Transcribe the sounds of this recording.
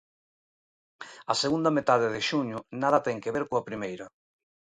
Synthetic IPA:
ɐseɣund̪ɐmet̪að̞eðɪʃuɲʊnaðɐt̪ɛŋkeβeɾkoapɾimejɾɐ

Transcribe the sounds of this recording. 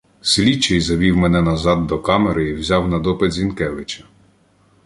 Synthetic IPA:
sʲlʲit͡ʃːɛjzɐʋʲiwmɛnɛnɐzɑd̪̚ːɔkɑmeɾɪiwzʲɑwnɐd̪ɔpɪd̪zʲinkɛʋɪt͡ʃɐ̥

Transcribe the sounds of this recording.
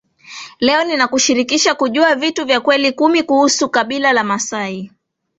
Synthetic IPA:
lɛɔninakuʃiɾikiʃakuʄuavituvjakwɛlikumikuhusukaɓilalamasai

